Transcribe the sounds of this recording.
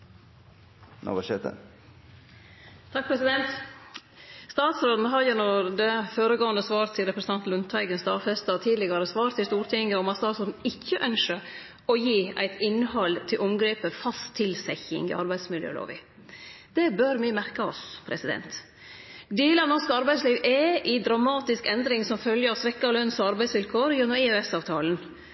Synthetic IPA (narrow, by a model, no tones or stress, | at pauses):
nɑ̰bɑʃeːt̪ə̰ | t̪ʰɑk̚pʰɾɛsɪd̪ɛnt̪ | st̪ɑːt̪sɾoːd̪n̩ɦɑɾjʊnɔɾd̪ɛføːɾəɡoːənəsʋɑːɾt̪siːɾɛpɾəsn̩ʰɛnt̪lʉnt̪ʰæɪɡənst̪ɑːfɛst̪ɑt̪ʰiːd̪lɪɡɑɾəsʋɑːɾt̪ʰɪst̪uːɾʈ̪ʰɪŋːəɔmɑt̪st̪ɑːt̪sɾoːd̪n̩ɪçːəʔœnʂʃə | ɔjiːæ̰ɪt̪ʰɪnːhɑlt̪ʰɪlʔʊmɡɾeːpəfɑst̪ʰːɪlsɛçɪ̰ŋɪ̰ʔɑɾbæɪd̪smɪljø̰ːlo̰ːʋɪ̰ | d̪̥ɛbœɾmɪmæɾkəɔspʰɾɛsɪd̪ɛ̰nt̪ | d̪eːləɑnɔʂkəɑɾbæɪsliːʋʔɛʔɪd̪ɾɑmɑːt̪ɪskɛnd̪ɾɪŋsɔmfœljəɑsʋɛkːɑlœnsɔɑɾbæɪsʋɪlkʰoːɾjunɔɪɛsɑːʋt̪ʰɑːlən